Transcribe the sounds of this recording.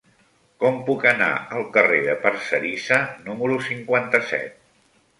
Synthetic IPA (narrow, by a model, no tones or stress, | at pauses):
kɔmpukəna̰əlˠkəreðəpəɾsəɾisənuməɾusiŋkwant̪əsɛ̰t̪̚